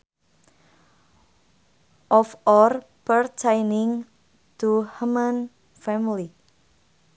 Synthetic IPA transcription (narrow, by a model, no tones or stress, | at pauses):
ʔɔfɔr | pərt͡ʃajnɪŋ | t̪uhumən | fɛmili